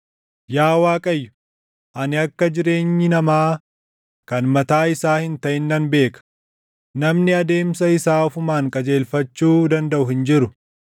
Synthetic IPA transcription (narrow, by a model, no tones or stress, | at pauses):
jaːwaːkʼɐjːʊ̥ | ʔɐnɪɐkːɐd͡ʒɪɾe̞ːɲːɪnɐmaː | kɐnmɐt̪aːɪsaːhɪnt̪ɐʔɪnːɐnbe̞ːkɐ̥ | nɐmnɪɐd̪e̞ːmsɐɪsaːfʊmaːŋkʼɐd͡ʒe̞ːlfɐt͡ʃːuːd̪ɐnd̪ɐʔʊhɪnd͡ʒɪɾʊ